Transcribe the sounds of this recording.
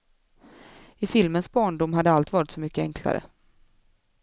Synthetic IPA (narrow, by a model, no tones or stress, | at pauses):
ɪfɪlmənsbɑːɳɖʊmɦad̪ːəalt̪vɑːɾɪt̪sɔmʏkːəɛŋkʰla̰ɾə̰